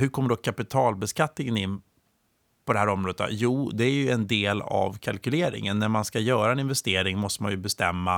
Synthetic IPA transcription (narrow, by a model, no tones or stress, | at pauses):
hɵɾkʰɔmːəɖɔkʰapɪt̪ʰɑːlbɛskat̪nɪŋənɪnː | pʰɔd̪ɛhæːɾɔmɾoːd̪ət̪ʰa̰juːd̪ɛæɾjɵɛnd̪eːla̰vkʰalkɵleːɾɪ̰ŋənːæɾmanskajœːɾaɛnɪnvɛst̪eːɾɪŋmɔst̪əma̰njɵbɛst̪ɛmːa